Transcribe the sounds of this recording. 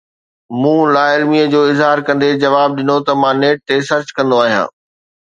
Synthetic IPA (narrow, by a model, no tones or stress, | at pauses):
mũːlaːɪlmijəd͡ʑoːɪzɦaːɾkɐ̃nd̪ed͡ʑɐʋaːb̚ɗɪnot̪ɐmãːneːʈ̚t̪esɐɾt͡ɕkɐ̃nd̪oaːɦijã̰ː